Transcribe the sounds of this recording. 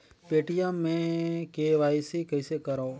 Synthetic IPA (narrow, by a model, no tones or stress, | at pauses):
peːʈɪjãːmẽːkeːʋaːiːsiːkəɪseːkəɾoː